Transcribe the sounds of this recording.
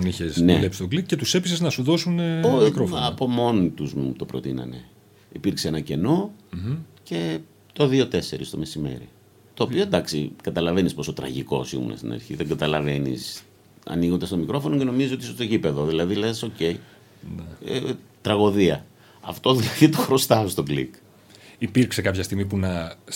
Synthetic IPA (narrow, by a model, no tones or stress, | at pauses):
içesnelepsit̪oklicet̪usepiseznɐsuðo̞sunokɾofɐpo̞mo̞nit̪uzmut̪o̞pɾot̪inɐ̰ne̞̰ | ipiɾkseenɐce̞no̞ | ce̞ | t̪o̞ðio̞t̪e̞se̞ɾḭst̪o̞̰me̞sime̞̰ɾḭ | t̪o̞ːpioed̪ɐksikɐt̪ɐlɐve̞nispo̞sot̪ɾɐ̰ʝiko̞̰sḭmṵnɐ̰st̪inɐ̰ɾçḭðeŋɡɐt̪ɐlɐve̞nḭs | ɐ̰niɣo̞nd̪ɐst̪o̞mikɾo̞fo̞noce̞no̞mizizo̞t̪isost̪ocipe̞ðo̞ðilɐðileso̞ce̞i | n̰ | t̪ɾɐɣo̞ðiɐ | ɐft̪o̞ðilɐðit̪o̞xɾo̞st̪ɐost̪o̞klḭk | ipiɾksekɐpçɐst̪iɣmipunɐ